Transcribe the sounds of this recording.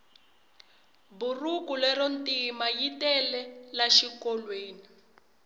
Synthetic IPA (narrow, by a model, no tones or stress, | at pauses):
burukulɛrɔntʼimajitɛlɛlaʃikɔlweːni